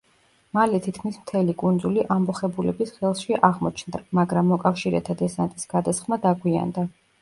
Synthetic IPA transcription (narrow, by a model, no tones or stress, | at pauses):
malɛt̪ʰit̪ʰkʰmismt̪ʰɛlikʼund̪zuliʔambɔχɛbulɛbisχɛlˠʃiʔaʁmɔt͡ʃʰnd̪amaɡɾamːɔkʼafʃiɾɛ̰t̪ʰad̪ɛsant̪ʼisɡ̥ad̪asχmad̪aɡwia̰nd̪a